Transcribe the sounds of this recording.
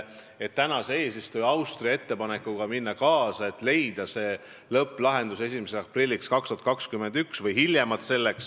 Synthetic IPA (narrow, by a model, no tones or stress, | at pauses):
e̞t̪ːænɑseeːsist̪ujɑwst̪rie̞t̪ːe̞pɑne̞kːuɡ̥ɑminːɑkɑːsɑe̞t̪ˑle̞jd̪̥ɑse̞ː | lɤpːˑlɑɦe̞nd̪us̬e̞simeseɑprilʲːikskɑkst̪uɑt̪̚kɑkskymend̪yksvɤjɦiljemɑt̪se̞lːeks